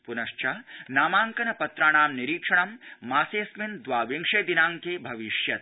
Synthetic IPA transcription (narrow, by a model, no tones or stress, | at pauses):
punɐʂt͡ʃɐnaːmaːŋkɐnɐpɐt̪ɾaːɳaːmniɾiːkʂɐɳɐmːaːseːsmind̪ʋaːʋiŋʂeːd̪inaːŋkeːbʱɐʋiʃjɐt̪̚